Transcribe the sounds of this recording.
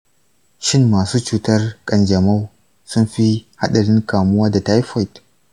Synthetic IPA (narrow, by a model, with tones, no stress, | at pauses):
ʃɪ˦mːaː˨suː˦t͡ʃuː˦tɐ˦rkʼɐ˨nd͡ʒɐ˨ma˦w | sʊ˦mɸi˦ha˦ɗɐ˨ɾɪ˦ŋkaː˨mʊ˦waː˦da˨ta˦jɸɔ˦˨t